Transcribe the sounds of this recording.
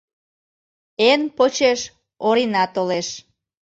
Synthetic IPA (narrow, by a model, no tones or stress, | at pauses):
enpot͡ɕeʃ | oɾinɑt̪oleʃ